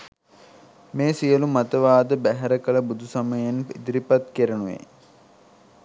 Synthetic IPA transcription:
meːsijəlumat̪əʋaːd̪əbæɦɛɾəkələbud̪ʱusaməjenḭd̪ɾipat̪keɾənuʋḛ

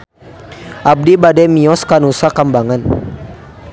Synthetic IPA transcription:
ʔab̚dibadɛmiɔskanusakambaŋan

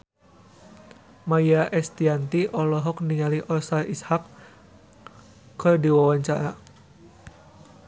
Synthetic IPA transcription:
majaʔɛst̪iant̪iʔɔlɔɦɔk̚niŋaliʔɔsalʔishak | ɔrdiwawaɲt͡ʃa̰ɾa

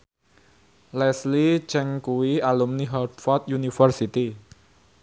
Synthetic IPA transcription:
lɛslit͡ʃɛŋkuwialumniɦɔd̪fɔt̪junifərsit̪i

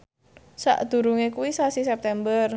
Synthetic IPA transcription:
sa̰ʔd̪̥ṳɾuŋekuwisasisɛp̚t̪ɛmbər

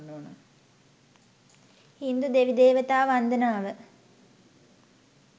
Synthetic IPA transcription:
nːoːnə | hind̪ud̪eʋid̪eːʋət̪aːʋand̪ənaːʋə

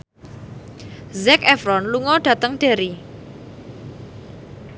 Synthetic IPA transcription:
zɛkɛfɾɔnluŋɔɖ̥ä̤t̪əŋɖ̥e̤ɾi

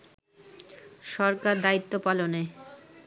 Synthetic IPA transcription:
ʃɔɾkaɾd̪ait̪ːopalone

